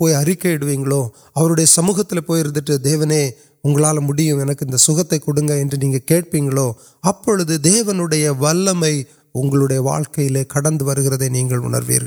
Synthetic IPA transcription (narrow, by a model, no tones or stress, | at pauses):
poːjɐɾɪkːɐɪɽɯʋiːŋɡɐɭoː | ɐʋɐɾɯɽɐjɐsɐmuːɣɐt̪ːɪlepoːjɪɾɯnd̪ɯʈːɯd̪eːʋɐneː | ʊŋɡɐɭaːlmʊɽɪjɯ̃ɛnɐkːɯɪnd̪ɐsʊɣɐt̪ːɐɪkːɔɽɯŋɡɐɛndrɯniːŋɡɐkeːʈ̚piːŋɡɐɭoː | ɐpːɔɻɯðɯd̪eːʋɐnɯɽɐjɐʋɐlːɐmɐɪ | ʊŋɡɐɭɯɽɐjɐʋa̰ːɻkɐjɪleːkɐɽɐnd̪ɯʋɐɾɯɣɪɾɐðeːniːŋɡɐɭʊ̰ɳɐ̰ɾʋḭːɾɣɐɭ